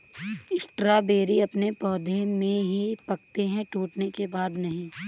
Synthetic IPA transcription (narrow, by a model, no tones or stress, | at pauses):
ɪsʈɾabeːɾiɐpnepɔːd̪ʱemẽɦipɐk̚t̪eɦɛ̃ʈuːʈnekebaːd̪nɐɦĩː